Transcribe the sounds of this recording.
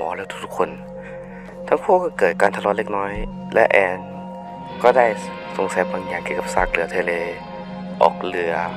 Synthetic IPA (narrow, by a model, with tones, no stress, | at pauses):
mɔː˨˦lɛː˦˥t̪u˦˥t̪ʰu˦˥kʰo˧n | t̪ʰaː˦˥ŋkʰuː˥˩kɔː˥˩kɤː˨˩t̪̚kaː˧nt̪ʰa˧lɔː˧˥nle˧˥k̚nɔː˦˥j | lɛ̰˦˥ʔɛː˧n | kɔː˥˩daː˥˩j | so˨˩˦ŋsaː˨˦baː˧ŋjaː˨˩ŋkːi˨˩˨ka˨˩p̚saː˧˩k̚lɯ˩˦ɐt̪ʰeː˧leː˧ | ʔɔ̰ː˨˩k̚lɯ˩˦ɐ